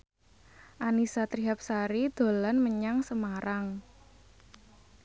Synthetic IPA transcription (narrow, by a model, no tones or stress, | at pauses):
ʔanisat̪ɾiɦap̚saɾid̪̥o̤lanməɲaŋsəmaɾaŋ